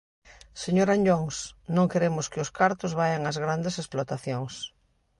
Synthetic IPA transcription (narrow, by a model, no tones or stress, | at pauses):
seɲoɾaɲʎoŋsnõŋkeɾemʊskɪʊskaɾt̪ʊzβajaŋɐzɣɾand̪esesplot̪aθjoŋs